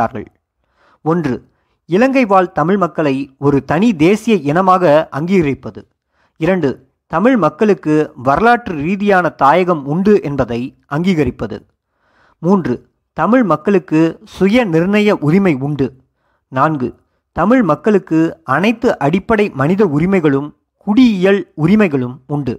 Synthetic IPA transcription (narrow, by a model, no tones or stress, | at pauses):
a̰ːɾɣɐ̰ɭ | ɔndrɯ | ɪlɐŋɡɐɪʋaːlt̪ɐmɪɻmɐkːɐɭɐɪɔɾɯt̪ɐnɪd̪eːsɪjɐɛnɐmaːɣɐʔɐŋɡiːɣɐɾɪpːɐðɯ̰ | ɪɾɐɳɖɯ | t̪ɐmɪɻmɐkːɐɭɯkːɯʋɐɾɐlaːʈrɯɾiːðɪjaːnɐt̪aːjɐɣɐmʊɳɖɯʔɛnbɐðɐɪ | ɐŋɡiːɣɐɾɪpːɐðɯ̰ | muːndrɯ | t̪ɐmɪɻmɐkːɐɭɯkːɯsʊjɐnɪɾɳɐjɐʔʊɾɪmɐɪʊɳɖɯ | naːnɡɯ̰ | t̪ɐmɪɻmɐkːɐɭɯkːɯɐnɐɪt̪ːɯʔɐɽɪpːɐɽɐɪmɐnɪðɐʊɾɪmɐɪɣɐɭɯm | kʊɽiɪjɐɭʊɾɪmɐɪɣɐɭɯmʊɳɖɯ